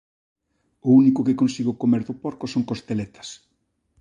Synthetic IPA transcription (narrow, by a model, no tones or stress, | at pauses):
ʊunikʊkɪkonsiɣʊkomeɾðʊpɔɾkʊsoŋkost̪elet̪ɐ̥s